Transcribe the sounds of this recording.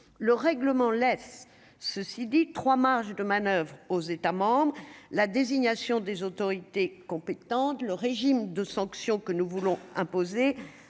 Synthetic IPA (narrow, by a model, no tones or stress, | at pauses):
ləʁɛɡləmɑ̃lɛs | səsid̪it̪χwamaʁʃd̪əmanœvʁozet̪amɑ̃bʁəlad̪eziɲasjɔ̃d̪ezot̪ɔʁit̪ekɔ̃pet̪ɑ̃t̪ləʁeʒimd̪əsɑ̃ksjɔ̃kənuvulɔ̃ɛ̃poze